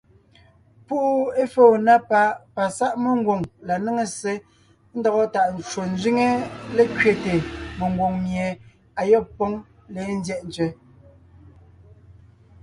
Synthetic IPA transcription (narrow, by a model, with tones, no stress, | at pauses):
pu˦ʔu˦e˦fo˦˨na˦pa˨˦pa˨sa˦ʔme˨ŋ˦ɡwo˨ŋla˨ne˦ŋe˨se˦ | n̩˦dɔ˨ɣɔ˦ta˨ʔn̩˨t͡ʃo˨n˦zɥi˦ŋe˦le˦kɥe˨te˨me˨ŋ˨ɡwo˨ŋmje˨ | a˨jɔ˦˨pːɔ˦ŋ | le˨˦n̩˦djɛ˦ʔn˨t͡ʃɥɛ˨